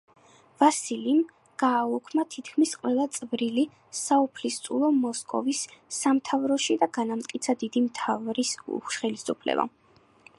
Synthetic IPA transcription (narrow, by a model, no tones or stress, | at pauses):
vasilim | ɡ̥aːukʰmat̪ʰit̪ʰkʰmisqʼwɛlˠat̪sʼvɾili | saupʰlist̪sʼulˠɔmɔskʼɔ̰visːamt̪ʰavɾɔʃid̪aɡanamt̪ʼkʼit̪sʰad̪id̪imt̪ʰavɾisʃχɛlisupʰlɛ̰ba̰